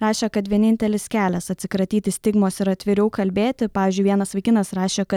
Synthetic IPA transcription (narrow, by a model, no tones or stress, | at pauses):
ɾɑːʃʲeːkɐt̪ʋʲiɛnʲɪnʲt̪ʲɛlʲɪskʲæːlʲɛsɐt̪ʲsʲɪkɾɐt̪ʲiːt̪ʲɪsʲt̪ʲɪɡmoːsɪɾɐt̪ʲʋʲɪɾʲɛʊkɐlʲbʲeːt̪ʲɪpɑːʋʲiːzʲd͡ʒʲʊɪʋiɛnɐsʋɐɪkʲɪnɐsɾɑːʃʲeːkɐt̪